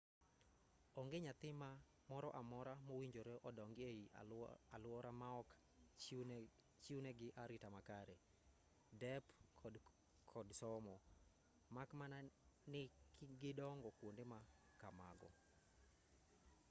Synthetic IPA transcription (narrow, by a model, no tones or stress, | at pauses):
ɔŋɡeɲat̪ɪma | mɔɾɔʔamɔɾamowiɲd͡ʒoɾeʔɔdɔŋɡeialʊwɔɾamaɔk | t͡ʃiuneɡɪʔaɾitamakaɾe | dɛpkʰd | kʰɔdsɔmɔ | makmananɪkɡɪdɔŋɡɔkwondema | kama̰ɡɔ̰